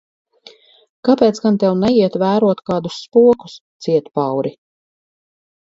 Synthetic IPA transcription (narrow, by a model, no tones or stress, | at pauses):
kapɛːt̪sɡant̪ɛwnɛjiɛt̪væːɾuɔt̪kaːd̪usːpuɔku̥st̪siɛt̪pawɾʔi